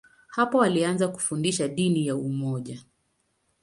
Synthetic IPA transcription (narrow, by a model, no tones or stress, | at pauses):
hapɔwalianzaku̥fundiʃaɗinijaumɔʄa